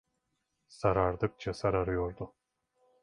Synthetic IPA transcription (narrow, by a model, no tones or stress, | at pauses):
saɾaɾd̪ɯk̚t͡ʃʰasaɾaɾɯjoɾd̪ʊ